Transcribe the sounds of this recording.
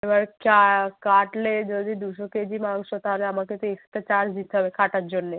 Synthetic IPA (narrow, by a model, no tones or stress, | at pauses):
eʋaɾkakaʈled͡ʒod̪id̪uʃoked͡ʒimãŋɡʃot̪aɦleamãket̪ekst̪ət͡ʃaɾsd͡ʒ̪it̪ʰɦəʋekʰaʈat̪̚d͡ʒonːe